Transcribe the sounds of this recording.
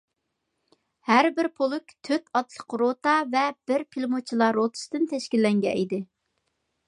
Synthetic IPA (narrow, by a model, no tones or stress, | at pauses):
hæɾbɪɾpʰolˠʊkʲt̪ʰøt̪ɑt̪lˠəqɾot̪ɑvɛb̥ɪɾpʰilˠmot͡ʃʰilˠɑɾot̪ʰɨ̥sd̪ɨnt̪ʰɛʃkʲilːɛŋɡʲɛ̰ʔid̪ɪ